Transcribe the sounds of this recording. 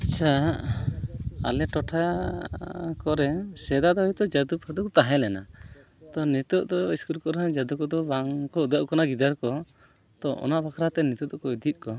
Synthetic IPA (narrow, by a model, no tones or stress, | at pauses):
at͡ʃʰa | a̰lɛʈɔʈʰa | kɔɾɛsɛd̪ad̪ɔit̪ɔd͡ʒad̪upʰɔd̪ɔkt̪aɦɛlɛna̰ | t̪ɔnit̪ɔʔd̪ɔiskuɾkɔɾad͡ʒad̪ukɔd̪ɔbaŋkɔud̪aʔkɔnaɡid̪aɾkɔ | t̪ɔʔɔ̰naʔbakʰɾat̪ɛnit̪ɔd̪ɔkɔjd̪it̪̚ˀkɔ